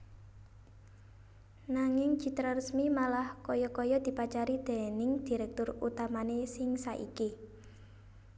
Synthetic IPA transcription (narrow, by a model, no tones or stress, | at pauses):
naŋɪŋd͡ʒ̥i̤t̪ɾarəsmimalahkɔjɔkɔjɔd̪̥i̤pat͡ʃaɾid̪̥e̤nɪŋd̪̥i̤ɾɛk̚t̪ʊrut̪amanesɪŋsaʔḭki